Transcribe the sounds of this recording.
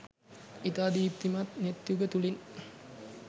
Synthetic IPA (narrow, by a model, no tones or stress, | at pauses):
it̪aːd̪ip̚t̪imat̪net̪juɡət̪ulin